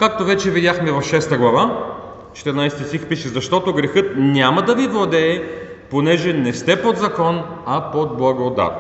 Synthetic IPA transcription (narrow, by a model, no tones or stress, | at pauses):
kak̚t̪ovɛt͡ʃɛvid̪ʲjaxmɛvɐfʃɛst̪əɡlˠɐva | t͡ʃɛ̥t̪ɛɾnajsɛt̪ʲist̪ixpiʃɛzɐʃt̪ɔt̪oɡɾɛxɤt̪nʲamɐd̪ɐvivlˠɐd̪ɛː | ponɛʒɛnɛst̪ɛpod̪zɐkɔn | ɐpod̪̚blˠɐɡod̪a̰t̪